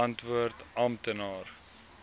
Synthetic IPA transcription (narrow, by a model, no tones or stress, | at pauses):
ɐntvuərtɐmtənɑːr